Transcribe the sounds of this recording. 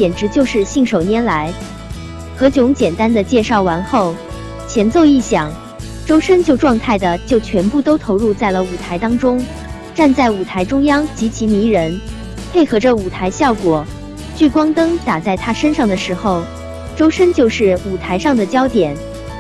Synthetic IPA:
t͡ɕjɛ˨˩nʈ͡ʂɻ̩˧˥t͡ɕjo˥˧ʊʂɻ̩˥˧ɕi˥˩ŋʂo˨˩ʊnjɛ˧˥nla˧˥ɪ | xɤ˧˥t͡ɕjʊ˧˥ŋt͡ɕjɛ˨˩nt̪a˥nd̪ə˨t͡ɕjɛ˥˧ʂɑ˥˩ʊwa˧˥nxo˥˩ʊ | t͡ɕʰjɛ˧˥nt͡so˥˧ʊi˥˩ɕjɑ˨˩˦ŋ | ʈ͡ʂo˥ʊʂə˥nt͡ɕjo˥˧ʊʈ͡ʂwɑ˥˧ŋt̪ʰa˥˩ɪd̪ə˩t͡ɕjo˥˩ʊt͡ɕʰɥɛ˧˥npu˥˩t̪o˥ʊt̪ʰo˧˥ʊɻu˥˧t͡sa˥˩ɪlə˩u˨˩t̪ʰa˧˥ɪt̪ɑ˥ŋʈ͡ʂʊ˥ŋ | ʈ͡ʂa˥˧nt͡sa˥˩ɪu˨˩t̪ʰa˧˥ɪʈ͡ʂʊ˥ŋjɑ˥ŋt͡ɕi˧˥t͡ɕʰi˧˥ni˧˥ɻə˧˥n | pʰe˥˩ɪxɤ˧˥ʈ͡ʂə˥˧u˨˩t̪ʰa˧˥ɪɕjɑ˥˩ʊkwɔ˨˩˦ | t͡ɕy˥˩kwɑ˥ŋt̪ɤ˥ŋt̪a˨˩t͡sa˥˩ɪt̪ʰa˥ʂə˥nʂɑ˥˩ŋd̪ə˩ʂɻ̩˧˥xo˥˧ʊ | ʈ͡ʂo˥ʊʂə˥nt͡ɕjo˥˧ʊʂɻ̩˥˩u˨˩t̪ʰa˧˥ɪʂɑ˥˩ŋd̪ə˩t͡ɕjɑ˥ʊt̪jɛ˨˩˦n

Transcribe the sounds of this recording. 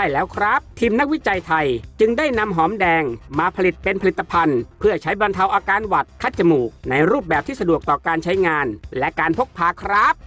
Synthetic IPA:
aː˥˩jlɛː˦˥wkʰɾa˦˥p̚t̪ʰiː˧mna˦˥k̚wi˦˥t͡ɕa˧jt̪ʰa˧jt͡ɕɯ˧ŋdaː˥˩jna˧mɦɔː˩˦mdɛː˧ŋmaː˧pʰa˧li˨˩t̪̚pe˧npʰli˨˩t̪ːa˧pʰa˧npʰɯ˥˩ɐt͡ɕʰa˦˥jba˧nt̪ʰa˧wʔaː˧kaː˧nwa˨˩t̪̚kʰa˦˥t̪̚t͡ɕa˧muː˨˩k̚na˧jɾuː˥˩p̚bɛː˨˩p̚t̪ʰiː˥˩sa˧du˨˩ək̚t̪ɔː˨˩kaː˧nt͡ɕʰa˦˥jŋaː˧nlɛ˦˥kaː˧npʰo˦˥k̚pʰaː˧˩kʰɾa˦˥p̚

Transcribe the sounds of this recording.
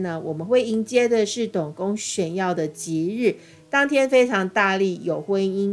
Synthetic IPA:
nə˨wɔ˨˩mə˨˦nxwe˥˩ɪi˧˥nt͡ɕjɛ˥d̪ə˨ʂɻ̩˥˩t̪ʊ˨˩ŋkʊ˥ŋɕɥɛ˨˩njɑ˥˩ʊd̪ə˨t͡ɕi˨˦˥ɻ̩˥˩ | t̪ɑ˥ŋt̪ʰjɛ˥nfe˥ɪʈ͡ʂʰɑ˧˥ŋt̪a˥˧li˥˩jo˨˩ʊxwə˦ni˥n

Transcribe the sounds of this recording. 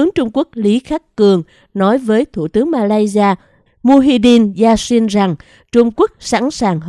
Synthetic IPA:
ɨ˨˦əŋt͡ɕʊ˧ŋ͡mku˦˥ək̚li˨˦xaː˦˥k̚kɨ˨˩əŋ | nɔ˨˦jvəː˨˦jt̪ʰṵ˧˩t̪ɨ˨˦əŋmaː˧laː˧jzi˧aː˧ | mu˧ɦi˧ɗi˧nzaː˧si˧nza˨˩ŋ | t͡ɕʊ˧ŋ͡mku˦˥ək̚sa̰˧˥nsaː˨˩ŋɦ

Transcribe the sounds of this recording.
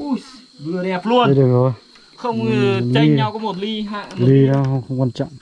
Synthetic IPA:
vɨ˧˩ənɛ˨˩p̚lu˧ənə˧jɗɨ˨˩əkzɔ˨˩j | xə˧wŋ͡mli˨˧ɲa˧wkɔ˨˦mo˨˩t̚li˧ɦa̰ː˧˨li˧nɔ˨˦xə˧wŋ͡mxə˧wŋ͡mkwa˧nt͡ɕɔ̰˧˨wŋ͡m

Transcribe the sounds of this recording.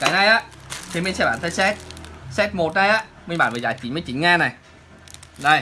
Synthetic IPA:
kaː˨˦jna˧jʔaː˨˧˥t̪ʰi˨˧˦mi̟˧sɛ˧˥ɓaː˧˨nt̪ʰə˧jsɛ˦˥t̚sɛ˦˥t̚mo˨˩t̚na˧jʔaː˧˥ | mi̟˧ɓaː˧˩nvəː˨˩zaː˧˨˩jt͡ɕi˨˦nmə˨˦t͡ɕi˨˦nŋaː˧na˨˩j | ɗə˨˩j

